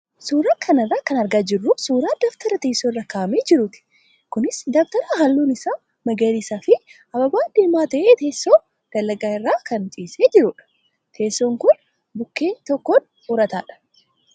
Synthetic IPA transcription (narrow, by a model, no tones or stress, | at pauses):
suːɾaːkʰɐnɐrːaːkɐnɐɾɡaːd͡ʒɪrːʊsuːɾaːd̪ɐːft̪ɐɾɐt̪eːsːorːɐkaːʔɐmeːd͡ʒɪɾʊt̪ɪ̥ | kʊnɪsd̪ɐft̪ɐɾaɦɐlːuːnɪsaː | mɐɡɐliːsaːfɪ | ɐbɐbaːd̪ɪlmːaːt̪ɐʔeːt̪eːsːoː | d̪̥ɐlːɐɡaːɪrːaːkɐnt͡ʃʼiːseːd͡ʒɪɾʊᶑɐ̥ | t̪ʰe̞ːsːoːŋkʊn | bʊkːe̞ːɲːt̪ɔkːon | ʊɾɐt̪aːᶑɐ̥